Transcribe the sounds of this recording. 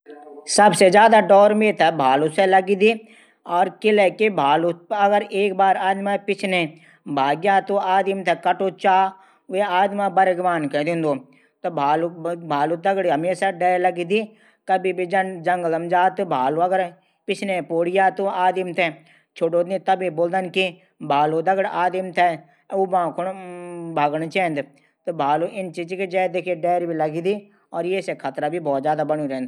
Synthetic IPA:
sɐbsed͡ʒjaːd̪aɖɔːɾmeːt̪ʰɛbʱaːluselɐɡid̪i | ɔːɾkɪlɛkebʱaːluɐɡəɾeːkbaːɾaːd̪mãpɪt͡ʃʰne | bʱaːɡjaːt̪oaːd̪imt̪ʰɛkɐʈot͡ʃaː | ʋeaːd̪mãbɐɾəɡʋaːnkɛd̪ɪ̃nd̪oː | t̪obʱaːlubʱaːlut̪ɐɡɽiɐmeːsaɖɛːlɐɡid̪i | kəbibid͡ʒənd͡ʒəŋɡələmd͡ʒaːt̪bʱaːloɐɡəɾ | pɪt͡ʃʰnepoːɽɪjaːt̪uaːd̪imt̪ʰɛ | t͡ʃʰoɖoːd̪it̪ɐbiboːld̪ənki | bʱaːlod̪əɡəɽaːd̪ɪmt̪ʰɛ | ʊbãːkʰʊnbʱaːɡəɳt͡ʃɛ̃ːnd̪ | t̪obʱaːloʔɪnt͡ʃid͡ʒked͡ʒɛːd̪ekʰeɖɛːɾbʱiləɡid̪i | ɔːɾjesekʰat̪ɾabibɔːt̪zjaːd̪abəñuɾɛ̃ːnd̪

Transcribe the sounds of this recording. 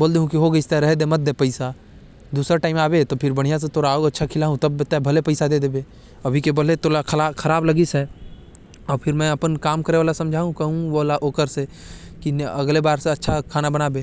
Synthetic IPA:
boːld̪eɦũkiɦoɡəist̪eɾɛɦd̪emɐt̪̚d̪epəɪsa | d̪uːsɾaʈaːɪmaːbet̪opʰɪɾbəɽ̤̃ijas̬et̪oːɾaːoɡɐtːʃʰakʰɪlaːɦũt̪ɐbt̪abʱɐlepəɪsad̪eːd̪eːbe | ɐbʱikebəlet̪oːlakʰlakʰəɾaːblɐɡisɛ | ɔːɾpʰɪɾmɛ̃ɐpənkaːmkəɾeʋaːlasɐ̃md͡ʒʱaːɦũkɐɦũboːlaʔoːkəɾse | kinɐɡlebaːɾseɐtːʃʰakʰaːnabənaːbeː

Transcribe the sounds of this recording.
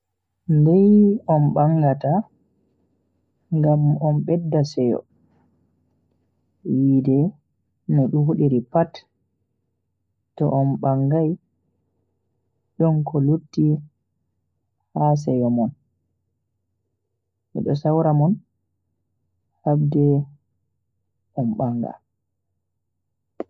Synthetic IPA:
ndɛjɔnbaŋɡata | ŋɡamɔnɓɛdːasɛjɔ̰ | jidɛ | nɛɗuhuɗiɾipat | tɔ̰ʔɔnɓaŋɡaj | ɗɔnkɔluɾtːi | has̬ɛjɔmɔn | mɛ̰ɗɔ̰sawɾamɔn | habdɛ | ʔɔmɓaŋɡa̰

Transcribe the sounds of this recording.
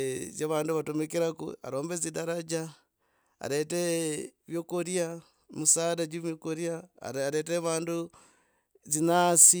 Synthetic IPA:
zaβaːnduβatomekiɾakṵa̰ɾoːmbezidaɾad͡ʒa | a̰ɾeteβjokoɾia | musaːdad͡ʒumjokoɾia̰ɾeteβaːndu | zinaːsi

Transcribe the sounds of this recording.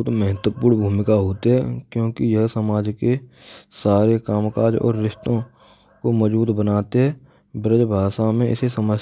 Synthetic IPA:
ʊt̪mɛɦət̪wəpuːɾɽbʱuːmɪkaɦoːt̪eɦɛkjõːkijɐɦsəmaːd͡ʒkesaːɾekaːmkaːɾd͡ʒɔ̰ːɾːɪʃt̪õ | komɔd͡ʒuːd̪bənaːt̪eɦɛː | bɪɾəd͡ʒbʱaːʃamẽɪ̰sesəməd͡ʒ

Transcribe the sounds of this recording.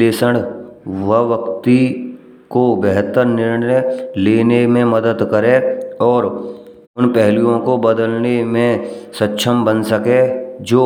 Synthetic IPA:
leːsəɽʋəɦʋəkt̪i | kobɛɦt̪əɾnɪɾnəleːnemẽmɐd̪əd̪kɐɾẽɔːɾ | ʊnpɛɦlijõkobɐd̪əlnemẽsətːʃʰəmbɐnsɐked͡ʒoː

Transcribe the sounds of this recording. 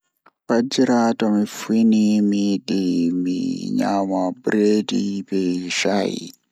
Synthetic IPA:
pad͡ʒiɾatɔmifinimiɗimḭɲa̰mabɾedibɛʃaḭ

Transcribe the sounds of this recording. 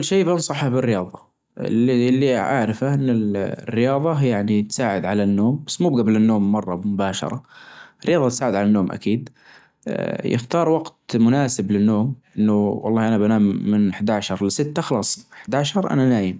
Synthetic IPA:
ʊlːʃeːbɪnsˤɑħabɪrːɪjɑːðˤɑ | ɪ̰lːlːiʕa̰ʕɾɪfaʔɪnːɪlrːɪjɑːðˤɑjaʕnit̪saːʕɪd̪ʕalanːoːmbasːmuːbɡablɪnːoːmːɑrˤːɑmʊbaːʃɑ̰ɾˤɑɪrːɪjɑːðˤɑt̪saːʕɪd̪ʕalanːoːmʔa̰kiːd̪ | jɪ̰xt̪ɑːɾˤwɑɡt̪mʊnaːsɪblɪnːoːmʔɪnːʊwɑlˤːɑːʔanabanaːmːɪnħd̪aːʕʃɑɾˤlɪsɪt̪ːaxlɑːsˤħd̪aːʕʃɑɾˤʔa̰nanaːjɪm

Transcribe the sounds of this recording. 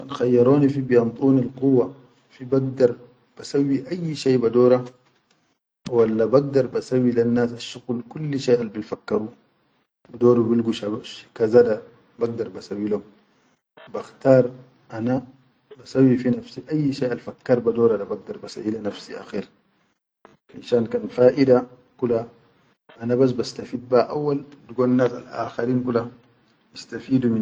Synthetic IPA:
kanxajːɑɾoːnifibijɑnt̪ˤuːnilquwːa | fibaɡd̪ɑɾˤ | b̥asawːiʔajːʃaːbadoːɾa | walːabaɡ̚d̪ɑɾˤbasawːilanːaːsaʃːuɣlkulːʃaʔalbilfakːɑɾu | d̪oːɾubilɡuʃakazada | baɡ̚d̪ɑɾˤbasawːilo | baxt̪aːɾˤ | ʔana | basawːifinafsiʔajːʃeːalfakːaɾˤbad̪oːɾadabaɡ̚d̪ɑɾˤbasa̰ʔilanafsiʔa̰xiːɾ | ħa̰ʃaːnkanfaːʔida | kula | ʔanabas̬bast̪afiːd̪̚baʔawːaldɡoːnnːaːsa̰lʔa̰ːxaɾiːnkula | jist̪afiːd̪umi

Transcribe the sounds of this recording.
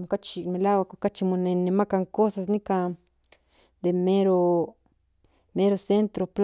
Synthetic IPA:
mkat͡ʃimẽlawakkat͡ʃimũnẽnẽmãkaŋkosasnĩkã | d̪emẽɾo | mẽɾosent̪ɾopl

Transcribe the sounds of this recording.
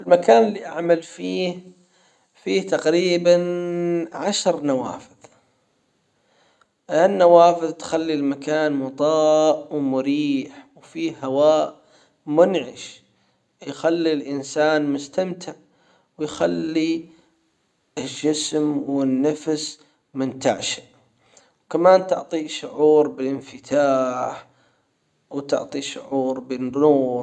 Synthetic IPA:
ɪlmakaːnɪlːiʔaʕmalfiːh | fiːt̪aqɾiːbanʕaʃɾnawa̰ːfɪðˤ | ɪnːawaːfɪðˤt̪xalːilmakaːnmʊt̪ˤɑːʔwmʊɾiːħwfiːhawaːʔ | mʊnʕɪʃ | jxalːilʔɪnsaːnmʊst̪amt̪ʰɪʕ | wjxalːi | ɪlʒɪsmwɪnːafs | mɪnt̪a̰ʕʃḁʔ | wkamaːnt̪ʊ̰ʕt̪ˤiʃʊʕuːɾbɪlʔɪnfɪt̪ʰaːħ | wt̪ʊ̰ʕt̪ˤiʃʊ̰ʕuːɾˤbɪnːuːɾ

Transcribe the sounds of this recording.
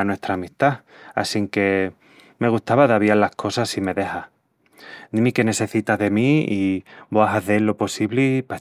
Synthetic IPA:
nwe̞st̪ɾaːmist̪a | a̰siŋke̞ | me̞ɣ̞ust̪aβaðaβialːahkʰo̞sasime̞ðe̞ha | nimike̞ne̞se̞θit̪aðemiiboaɦaθelːo̞po̞siβlipa

